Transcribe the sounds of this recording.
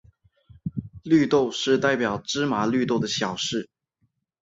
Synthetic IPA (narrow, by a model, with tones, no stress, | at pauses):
ly˥˧t̪o˥˧ʊʂɻ̩˥˧t̪a˥˩ɪpjɑ˨˩ʊʈ͡ʂɻ̩˥ma˨˧˥ly˥˧t̪o˥˩ʊd̪ə˩ɕjɑ˨˩ʊʂɻ̩˥˩